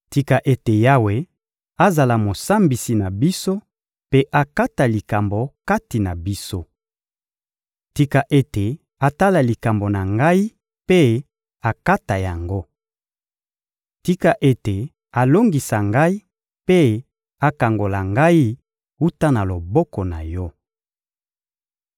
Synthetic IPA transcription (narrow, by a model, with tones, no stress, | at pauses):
ti˦ka˨ʔe˨te˨ja˦we˨ | a˦za˨la˨mo˨sa˦mbi˨si˨na˨bi˦so˦ | pe˦ʔa˨ka˦ta˨li˨ka˨mbo˨ka˦ti˨na˨bi˦so˦ | ti˦ka˨ʔe˦te˨ | a˨ta˦la˨li˨ka˨mbo˨na˨ŋɡa˦i˦ | pe˦ | a˨ka˦ta˨ja˨ŋɡo˦ | ti˦ka˨ʔe˦te˨ | a˨lo˦ŋɡi˨sa˨ŋɡa˦i˦ | pe˦ | a˨ka˨ŋɡo˨la˨ŋɡa˦i˦ | u˦ta˦na˨lo˨bɔ˦kɔ˨na̰˨jɔ˦